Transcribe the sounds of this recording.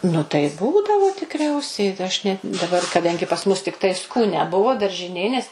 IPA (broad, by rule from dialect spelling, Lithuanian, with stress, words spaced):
nʊ tɐɪ ˈbuːdɐʋoː tʲɪkˈrʲɛʊsʲɛɪ ɐʃ nʲɛt dɐˈbɐr kɐˈdɐŋʲɡʲɪ pɐs ˈmʊs tʲɪkˈtɐɪ skuːˈnʲɛ ˈbʊʋoː dɐrʲʒʲɪˈnʲeː nʲɛs